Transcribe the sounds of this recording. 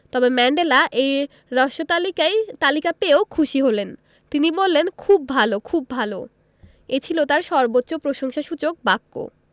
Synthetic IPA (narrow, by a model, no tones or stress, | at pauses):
t̪ɔbemɛɳɖelaʔej | ɾɔʃot̪alikajt̪alikapeokʰuʃiɦolen | t̪inibolːenkʰubːʱalokʰubːʱalo̰ | et͡ɕʰilot̪aɾʃɔɾbotːɕopɾoʃoŋʃaʃut͡ɕok̚bakːo̰